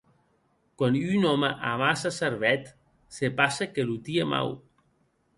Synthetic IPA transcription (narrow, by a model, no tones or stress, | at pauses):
kwanynɔmaʔamasaseɾβɛt̪ | sepasekelut̪iema̰w